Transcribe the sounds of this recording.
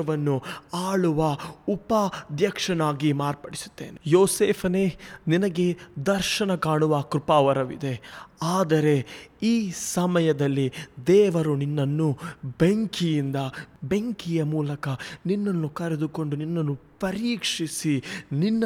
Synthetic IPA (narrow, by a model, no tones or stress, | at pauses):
ɐʋɐnːuaːɭuʋɐupɐd̪jɐkʂɐnaːɡimaːɾpɐɽisu̥t̪ːḛːnejoːseːpʰɐne̞ninɐɡe̞d̪ɐɾʃɐnɐkaːɳuʋɐkɾupaːʋɐɾɐʋḭd̪e̞aːd̪ɐɾe̞iːsɐmɐjɐd̪ɐlːid̪ɛːʋɐɾuninːɐnːubeŋkijind̪ɐbeŋkijɐmuːlɐkɐninːɐnːukɐɾed̪uko̞ɳɖuninːɐnːupɐɾiːkʂisininːɐ